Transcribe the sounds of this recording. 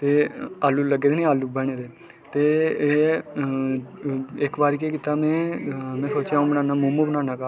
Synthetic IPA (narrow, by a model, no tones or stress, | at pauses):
t̪eːaːluːləɡeːd̪enĩaːluːbəɳ̃eːd̪eː | t̪eː | ɪkbaːɾikeːkɪt̪aːmɛ̃ːmɛ̃ːsoːt͡ʃjãːũbənãːnaːmumũbənãːnãːkaː